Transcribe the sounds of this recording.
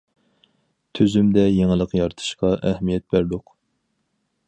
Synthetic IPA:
t̪ʰøzymd̪ɛjeŋɨlˠəqjɑɾt̪ʰɨ̥ʃqɑʔɛhmijɛt̪̚bæɾd̪ʊq

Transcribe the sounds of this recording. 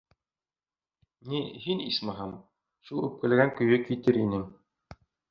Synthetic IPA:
nihinismɑɦɑm | ʃulˠʉp̚kɘ̆lɡæŋkɵ̆jɵkit̪ɘɾinɘm

